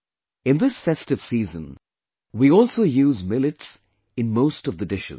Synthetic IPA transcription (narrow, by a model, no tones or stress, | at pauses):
ɪ̃nd̪ɪsfɛstɨv̥siːzə̰̃n | wiɔlˠsoʊjʉːzmɪlɨʈs | ɨ̃nmoʊstʌvðədɪʃɪ̰z